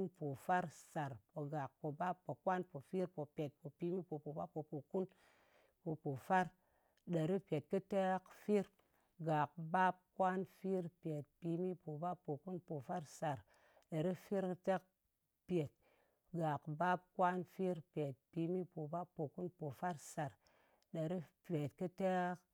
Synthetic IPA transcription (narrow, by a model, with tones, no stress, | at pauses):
npo˨fa˦ɾsa˨ɾpo˨ɡa˨k̚po˨ba˦pːo˨kwa˦npo˨fi˦ɾpo˨pʲe˨t̚po˨pi˧mi˦po˨po˨ba˦pːo˨po˨ku˦n | po˨po˨fa˦ɾ | ɗe˨ɾi˦pʲe˨t̚kɨ˦te˦kfi˦ɾ | ɡa˨kba˦p̚kwʷa˦nfi˦ɾpe˨t̚pi˧mi˦po˨ba˦pːo˨ku˦npo˨fa˦ɾsa˨ɾ | ɗa˨ɾi˦fi˦ɾkə˦te˦k̚ | pʲe˨t̚ | ɡa˨kba˦p̚kwa˦nfi˦ɾpʲe˨t̚pi˧mi˦po˨ba˦pːo˨ku˦npo˨fa˦ɾsa˨ɾ | ɗa˨ɾi˦pe˨tkɨ˦te˦k